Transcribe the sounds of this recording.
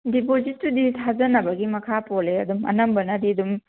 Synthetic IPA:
dipozitːuditʰad͡ʒɐnɐbɐɡimɐkʰapoleɐ̰dumɐ̰nɐmbɐnɐdiɐdum

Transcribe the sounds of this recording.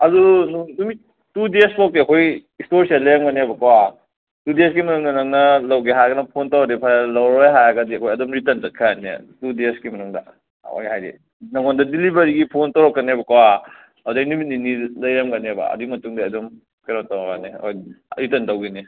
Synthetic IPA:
ɐdununumi | tudespok̚tiɐkʰojistoɾsialɐjɐmɡɐnebɐkawa | tudesɡimɐnuŋnɐnɐŋnɐlɐwɡiɦajɡɐnɐpʰontowɾak̚dipʰajlɐwɾojɦajaɡɐdiɐkʰojɐdomɾitɐntɐt̚kʰajanḛtudesɡimɐnuŋdɐ̰ | wa̰jhajɾḭ | nɐŋondɐdilibɐɾiɡipʰontɐwɾɐkːɐnebɐkɐwa | adɐnumit̚ninilɐjɐmɡɐnebɐ̰ɐ̰duɡimɐtuŋdiɐdom | kʰeɾontɐwakaneɐ̰kojɾitɐntɐwɡini

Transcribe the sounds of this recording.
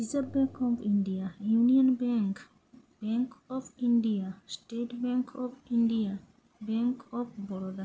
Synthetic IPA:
izabɛ̃kʰɔvĩndiajuniɔ̃nbɛ̃ŋk | b̥ɛ̃ŋkɔvĩndiastetbɛ̃ŋkʰɔvĩndia | bɛ̃ŋkʰɔvbɔɹda

